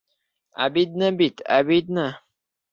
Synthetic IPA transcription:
a̰bid̪̚nəbit̪a̰bid̪̚nə

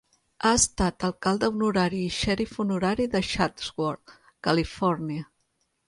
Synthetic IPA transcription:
aəst̪at̪əlˠkalˠd̪əunuɾaɾiːʃɛɾifunuɾaɾiðəʃat̪zwɔɾ | kəlifɔɾniə

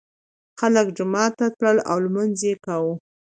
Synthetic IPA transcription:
xaləkd͡ʒʊmɑt̪ːat̪ɽəla̰wlmanzekawu

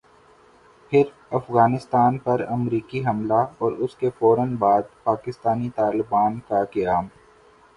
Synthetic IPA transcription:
pʰɪɾ | ɐfɣaːnɪst̪aːnpɐɾɐmɾiːkiɦɐmlaɔːɾʊskefɔːɾənbaːd̪̚paːkɪst̪aːnit̪aːlɪbaːnkakɪjaːm

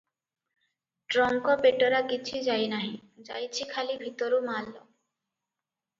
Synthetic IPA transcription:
ʈɾɔŋkopeʈoɾakit͡ɕʰid͡ʑajnaɦĩd͡ʑa̰jt͡ɕʰikʰalibʱit̪oɾumalːo

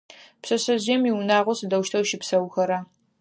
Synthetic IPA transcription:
psɐsɐʑɪjɛmiwnaːʁʷɔsɨdɐwʃtʰɐwʃɪpsɐwxɐɾaː

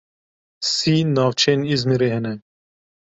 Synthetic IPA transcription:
siːnaːwt͡ʃʰenizmiɾeɦenɛ

